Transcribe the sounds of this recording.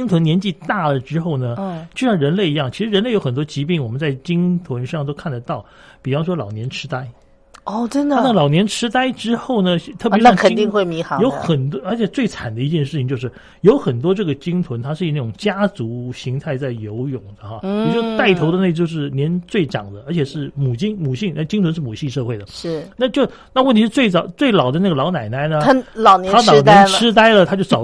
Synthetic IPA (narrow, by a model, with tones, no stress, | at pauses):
i˥ŋt̪ʰwə˥njɛ˧˥nt͡ɕi˥˧t̪a˥˩lə˩ʈ͡ʂɻ̩˥xo˥˩ʊnə˩t͡ɕjo˥˧ʊɕɻə˧˥nle˥˧ɪi˧˥jɑ˥˩ŋt͡ɕʰi˧˥ʂɻ̩˧˥ɻə˧˥nle˥˩ɪjo˧˥ʊxə˨˩nt̪wɔ˥t͡ɕi˧˥pi˥˩ŋwɔ˨˩mə˦nt͡sa˥˩ɪt͡ɕi˥ŋt̪ʰwə˧˥nʂɑ˥˧ŋt̪o˥ʊkʰa˥˩nd̪ə˩t̪ɑ˥˩ʊ | pi˨˩fɑ˥ʊʂ̬wɔ˥lɑ˨˩ʊnjɛ˧˥nʈ͡ʂʰɻ̩˥t̪a˥ɪ | ɔ˥˩ʈ͡ʂə˥nd̪əa˥˩˥lɑ˨˩ʊnjɛ˧˥nʈ͡ʂʰɻ̩˥t̪a˥ɪʈ͡ʂɻ̩˥xo˥˩ʊnə˩˥˧t̪ʰɤ˥˩pʂ̩˥kʰə˨˩˥t̪i˥˧ŋxwe˥˩ɪmi˧˥xa˧˦jo˧˥ʊxə˨˩nt̪wɔ˥ə˞˧˥t͡ɕʰjɛ˨˩t͡swe˥˩ɪt͡sʰa˨˩nd̪ə˦i˧˥t͡ɕjɛ˥˧nʂ̬ɻ̩ʰ˥˩i˩ŋt͡ɕjo˥˧ʊʂɻ̩˥˩ | jo˧˥ʊxə˨˩nt̪wɔ˥ʈ͡ʂɤ˥˩ɡə˩t͡ɕi˥ŋt͡s̪ʰwə˧˥nt̪ʰa˥ʂɻ̩˥˩i˨˥na˥˩ʈ͡ʂʊ˨˩ŋt͡ɕja˥t͡su˧˥ɕi˧˥ŋt̪ʰa˥˧ɪt͡sa˥˩ɪjo˧˥ʊjʊ˨˩ŋd̪ə˦xɑ˥˧ɔ˨˩t͡ɕo˥˧˩t̪a˥˩ɪt̪ʰo˧˥ʊd̪ə˧na˥˩˧t͡ɕjo˥˧ʊʂ̬ɻ̩˥˩njɛ˧˥nt͡swe˥˩ɪʈ͡ʂɑ̰˨˩ŋd̪ə˦ə˞˧˥t͡ɕʰɛ˨˩ʂɻ̩˥˩mu˨˩t͡ɕi˥˩ŋmu˨˩ɕʰi˥˩ŋna˥˩t͡ɕi˥ŋt͡s̪ʰwə˧˥ʂ̬ɻ̩˥˩mu˨˩ɕi˥˧ʂɤ˥˧xwe˥˩ɪd̪ə˩ʂɻ̩˥˩na˥˧t͡ɕjo˥˧ʊna˥˧wə˥˩nt̪ʰi˧˥ʂ̩˥˧t͡swe˥˩ɪt͡sɑ˨˩ʊt͡swe˥˩ɪlɑ˨˩ʊd̪ə˦na˥˩ɡə˩lɑ˧˥ʊna˨˩ɪna˥ɪnə˧˥lɑ˨˩ʊnjɛ˧a˥lɑ˨˥ʊnjɛ˥ʈ͡ʂʰɻ̩˥t̪a˥ɪlə˨t̪ʰa˥t͡ɕjo˥˧ʊ˩ɑ˨˩